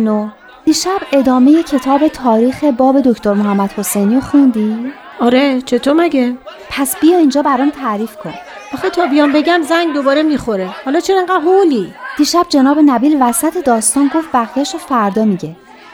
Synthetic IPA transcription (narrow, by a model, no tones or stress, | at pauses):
no | d̪̥iːʃæbe̞d̪ɒːme̞jecʰe̞t̪ʰɒːbe̞t̪ʰɒːɾiːxe̞bɒːbe̞d̪oct̪ʰoɾmoɦæmːæd̪̥ho̞sejniːoxund̪iː | ʔɒɾet͡ʃʰe̞t̪ʰomæɡe | pʰæsb̥ijɒːiːnd͡ʒɒːbæɾɒːmt̪ʰæɾiːfkʰo̞n | ʔɒxet̪ʰɒːbijɒmbe̞ɡæmzæŋɡd̪obɒːɾemixoɾehɒlɒːt͡ʃʰeɾeŋɡæɦolid̪̥iːʃæb̥̚d͡ʒe̞nɒːbe̞næbiːlvæsæt̪ʰe̞d̪ɒːst̪ɒːnɡoft̪̚bæɣjæʃofæɾd̪ɒːmiɟe̞